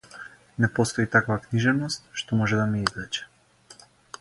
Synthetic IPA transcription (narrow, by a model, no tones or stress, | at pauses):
nɛpɔst̪ɔit̪akvakniʒɛvnɔst̪̚ʃt̪ɔmɔʒɛd̪amiizlɛt͡ʃɛ̥